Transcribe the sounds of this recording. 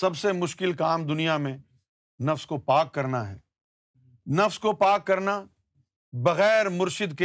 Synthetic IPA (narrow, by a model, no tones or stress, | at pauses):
sɐbsemʊʃkɪlkaːmd̪ʊnijamẽ | nɐfskopaːkːɐɾnaɦɛ̰ː | nɐfskopaːkːɐɾna | bɐɣɛːɾmʊɾʃɪd̪ke